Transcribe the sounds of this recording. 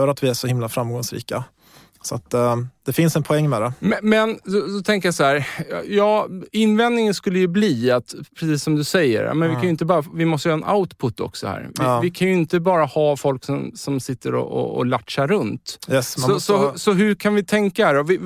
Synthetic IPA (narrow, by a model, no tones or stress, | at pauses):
œːɾat̪vɪæʂɔhɪmlafɾamɡɔŋsɾḭːka | sɔat̪d̪̥ɛfɪnsɛnpʰɔɛŋːmɛd̪ɛmmɛnsɔsɔt̪ʰɛŋkəɾjasɔhæːɾjɑːɪnːvɛnd̪nɪŋənskɵlːəjɵbliːat̪pʰɾɛsiːsːɔmd̪ɵsɛjːə̰ɾ̰mɛnvɪkʰanjʏɪnt̪əbɑːɾavɪmɔst̪əjːɛnʔa̰ʊt̪pʰʊt̪ʰːɔ̰ksɔhæ̰ːɾvɪvɪkʰanjɵɪnt̪əbɑːɾahɑːfɔlksɔmsɔmsɪt̪ːəɾɔ̰ɔ̰ːlaʈʂaɾːɵnt̪jɛssɔsɔhsɔɦɵɾkʰanvɪt̪ʰɛŋkaædɔvɪ